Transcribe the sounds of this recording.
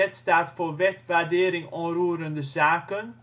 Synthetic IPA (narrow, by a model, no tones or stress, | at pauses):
ɛtstaːtfoːʋɛtʋaɹdeːɾɪŋɔnɾuːɾəndəzaːkən